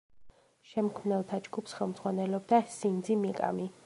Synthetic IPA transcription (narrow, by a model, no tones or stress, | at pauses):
ʃɛmkʰmnɛlˠt̪ʰad͡ʒɡupsχɛlˠmd̪zʁwanɛlɔb̚d̪asind̪zimikʼa̰mi